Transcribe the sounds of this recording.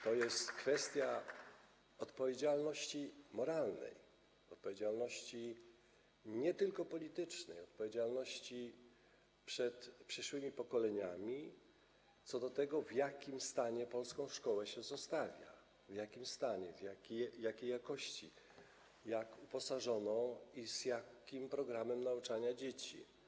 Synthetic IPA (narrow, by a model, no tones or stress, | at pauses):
t̪ɔjɛst̪kfɛst̪ʲja | ɔt̪pɔvʲjed͡ʑalnɔɕt͡ɕimɔɾalnɛ̰j | ɔt̪̚pɔvʲjed͡ʑalnɔɕt͡ɕi | ɲɛt̪ɘlkɔpɔlʲit̪ɘt͡ʂnɛ̰jɔt̪pɔvʲjed͡ʑalnɔɕt͡ɕi | pʂɛt̪pʂɘʂwɘmʲipɔkɔlɛɲamʲi | t̪sɔd̪ɔt̪ɛɡɔvjakʲimst̪aɲɛpɔlskɔ̃w̃ʂkɔwɛɕɛzɔst̪avʲja̰ | vjakʲimst̪aɲɛvjakʲijakʲejːakɔɕt͡ɕḭ | jakupɔsaʐɔnɔ̃izjakʲimpɾɔɡɾamɛmnaut͡ʂaɲad͡ʑet͡ɕḭ